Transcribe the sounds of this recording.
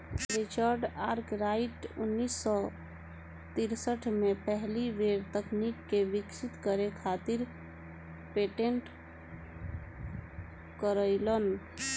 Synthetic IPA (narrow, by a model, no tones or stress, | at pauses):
ɾit͡ʃəɾɖaɾkɾaɪʈʊnːisːɔ | t̪iɾsəʈʰmepəɦliʋeɾt̪əknikkeʋɪksit̪kəɾekʰat̪iɾ | peʈeɳʈ | kəɾəɪlən